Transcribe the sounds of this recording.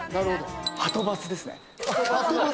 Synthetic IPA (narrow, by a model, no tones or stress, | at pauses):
naɾɯ̟hod̪ohat̪o̞bat͡sɨd̪e̞sɨnḛ | at̪oba